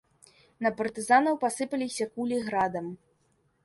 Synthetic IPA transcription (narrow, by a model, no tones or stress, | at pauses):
nɐpɐrt̪ɨzanɐwpasɨpɐlʲisʲɐkulʲiɣɾad̪ɐm